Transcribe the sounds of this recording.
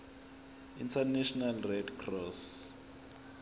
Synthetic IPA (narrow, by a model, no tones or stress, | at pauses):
intʰanɛʃɔnalrɛdkʰrɔs